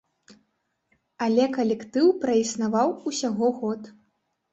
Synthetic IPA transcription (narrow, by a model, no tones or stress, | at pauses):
alʲɛkɐlʲɛkt̪ɨwpɾɐisnavawusʲaɣɔɣɔt̪